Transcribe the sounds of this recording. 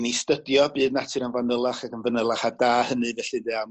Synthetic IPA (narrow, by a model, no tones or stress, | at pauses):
nistədjɔbɨːdnatʰɨɾənvanəlˠaχakənvənəlˠaχadaːhənɨvɛɬɨdɛːam